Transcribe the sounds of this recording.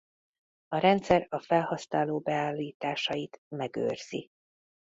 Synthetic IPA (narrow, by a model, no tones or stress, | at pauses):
ɒɾɛnt̪sɛrɒfɛlhɒsnaːloːbɛaːlːiːt̪aːʃɒjit̪mɛɡø̰ːrz̥i